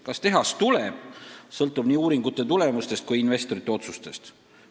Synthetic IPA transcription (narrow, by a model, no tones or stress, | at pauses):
kɑst̪e̞ɦɑst̪uleb̥sɤlt̪ːˑub̥niːuːɾiŋɡut̪ːˑe̞t̪ule̞must̪e̞st̪̚kujinve̞st̪o̞ɾit̪ːˑe̞o̞t̪sust̪e̞st̪